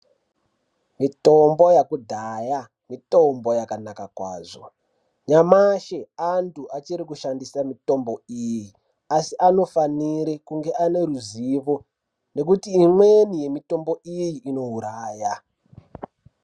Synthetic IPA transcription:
mitombo̞jakudʱaja | mito̞mbo̞jakanakakwa̰ːzo̞̰ | ɲamaʃeantʰuʔat͡ʃiɾikuʃandisamito̞mbo̞iji | asiʔano̞faniɾekuŋɡe̞ʔane̞ruziʋo | ne̞kutiːmwenije̞mito̞mbo̞ʔijiʔːno̞ɦuɾaːja

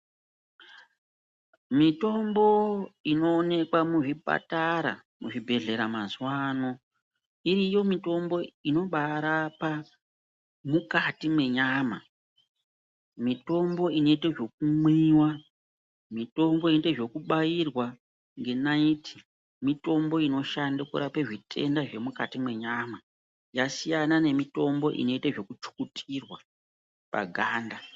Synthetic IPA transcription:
mito̞mbo̞ino̞ːne̞kwamuʐipa̰taɾa̰ | muʐibʱe̞ɮe̞ɾamanzwaːno̞ | iɾijo̞mito̞mbo̞ino̞ɓaɾapa | mukatimwe̞ɲaːma | mito̞mbo̞ino̞iteʐo̞k̚umwiːwa | mito̞mbo̞ineteʐo̞kuɓajirwa | ŋɡe̞naitʰi̥ | mito̞mbo̞ino̞ʃandukṵɾapeʐitʰe̞̰ndaʐe̞mukatimwe̞ɲaːma | jasijanane̞mito̞mbo̞ʔḭno̞iteʐo̞kut͡ʃu̥kutʰirwa | pa̰ɡʱaːnda

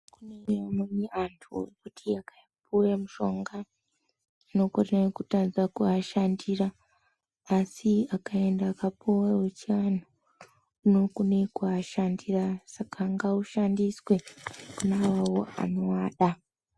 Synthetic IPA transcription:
kuneamoniantʰṵkutʰiaka | pʰuwemuʃo̞ŋɡa | nokorinaikutad͡zakuaʃandiraː | siakaendaːkapuwawet͡ʃiano | uno̞kune̞kuaʃandirasakʰaŋɡauʃandiswekunawawoa̰no̞waːɗa

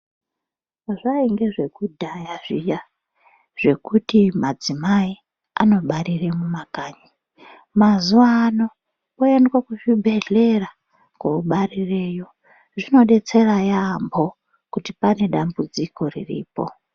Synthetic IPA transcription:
aʐaiŋɡe̞ʐe̞kudʱajaʐija | ʐ̥e̞kutimad͡zimai | a̰no̞ɓaɾiremumakaːɲi | mazuʋaːno̞ | oendwakuʐibʱe̞ɮe̞ra | kouɓarirejo̞ | ʐino̞ɗe̞t͡se̞rajambo̞ | kutipane̞ɗambud͡zikʰo̞rḭrḭːpo̰

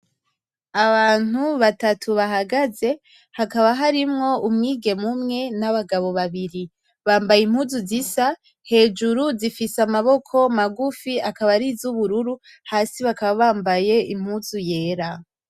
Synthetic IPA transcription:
aβaːn̥huβatatʰuβaɦaɡaze̞ | hakaβaɦaɾimŋo̞ʔumŋiːɡe̞mumŋe̞naβaɡaβo̞βaβiɾi | βaːmbajim̥huzuzisa | he̞ːd͡ʒuɾuzifisamaβo̞kʰo̞maɡufiakaβaɾizuβuɾuɾu | haːsiβakaβaβaːmbaje̞im̥huzuje̞ːɾa

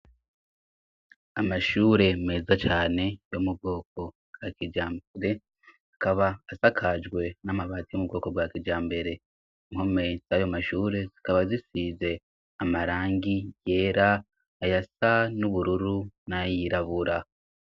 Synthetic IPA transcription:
amaʃuːɾe̞me̞ːzat͡ʃaːne̞jomub̚ɡo̞ːk̚o̞ | b̥wakid͡ʒaːmbeɾe̞ | akaβaːsakʰad͡ʒɡwe̞namaβaːtijomub̚ɡo̞ːko̞bwaːkid͡ʒaːmbe̞ɾe̞ | iŋho̞me̞z̥ajomaʃuːɾe̞zikaβazisize̞ | amaɾaːŋɡije̞ːɾaː | jasanuβuɾuɾunajiɾaβuɾa

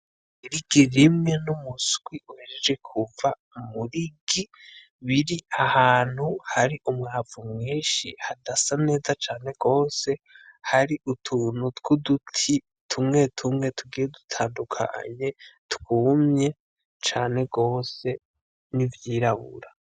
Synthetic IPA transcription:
iɾiɡ̥iɾimŋenumusɡ̥wiʔuheɾed͡ʒe̞kʰuva | muɾiɡi | βiɾiahaːn̥huhaɾiʔumŋaːvumŋiːʃḭhadasane̞ːzat͡ʃaːne̞ɡ̥o̞ːse̞haɾiʔutʰunutɡudutʰi | tʰumŋe̞tʰumŋe̞tʰuɡiːjedutʰaːndukʰa̰ɲe̞tkuːmɲe̞ | t͡ʃaːne̞ɡo̞ːse̞ | nivjiːɾaβṵɾa

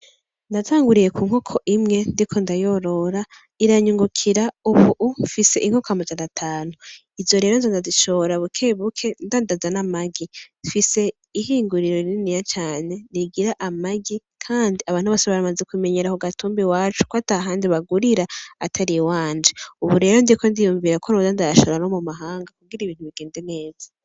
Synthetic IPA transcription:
ndatʰaːŋɡuɾije̞kuːŋ̥hokʰo̞ʔimŋe̞ndikʰo̞ndajo̞ɾo̞ɾa | iɾaɲuŋɡukʰiɾauβuʔufise̞ʔiŋ̥hokoamad͡ʒanatʰaːnu | izo̞ɾe̞ːɾonzondazit͡ʃo̞ːɾaβukʰeːβukʰe̞ndandazanamaɡifise̞ | ihiːŋɡuɾiɾoininijat͡ʃaːne̞niɡiɾaʔamaɡi | kʰaːndiaβaːnhuβaseβaɾamazekumeɲeɾahoɡatuːmbiwaːt͡ʃu̥koataɦaːndiβaɡuɾiɾaatʰaɾiwaːnd͡ʒiuβuɾe̞ːɾo̞ndiekʰondijuɱviːɾakʰoɾozandajaʃaɾano̞mumaɦaːŋɡakuɡiɾaiβiːn̥huβiɡ̥eːnde̞ne̞ːz̥a

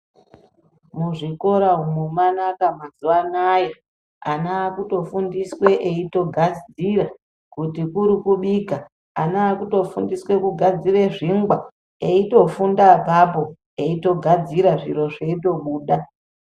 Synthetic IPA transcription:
muʐiko̞ɾaumumanakamazuwanaja | anaːkuto̞fundiswe̞ʔeito̞ɡʱad͡zira | kutikuɾikuɓika | anaːkuto̞fundiswe̞kuɡʱad͡zire̞ʐiŋɡwa | eito̞fundapapo̞ | eito̞ɡʱad͡ziɾaʐiro̞ʐe̞ito̞ɓuːɗa

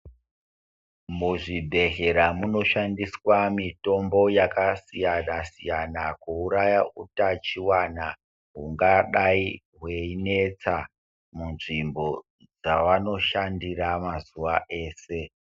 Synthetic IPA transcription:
muʐibʱe̞ɦe̞ɾamuno̞ʃandiswamito̞mbo̞jakasijanasijanakuuɾajautat͡ʃiwana | ɦuŋɡaɗai | ɦwe̞ine̞t͡sa | munʐimbo̞ | d͡zaʋano̞ʃandiramazuʋaʔe̞ːse̞

